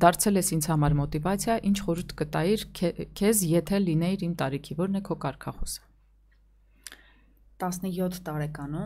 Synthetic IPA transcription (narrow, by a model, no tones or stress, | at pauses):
d̪̥ɑɾt͡sʰɛlɛsind͡zhɑmɑɾmɔt̪ivɑt͡sʰjɑʔint͡ʃʰχɔɾuɾt̪ʰkət̪ɑiɾkʰɛzjɛt̪ʰɛlinɛiɾimt̪ɑɾikʰivɔɾnɛkʰɔkɑɾkʰɑχusə̥ | t̪ɑsnəjɔt̪ʰːɑɾɛkɑnu